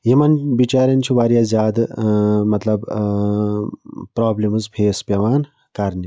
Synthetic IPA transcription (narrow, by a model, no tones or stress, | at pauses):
ɦimɐnbit͡ʃaːɾɐnt͡ʃʰubaːɾijaːzjaːd̪mɐt̪lɐb | pɾaːblimzpʰeːspʲɐʋaːn | kɐɾni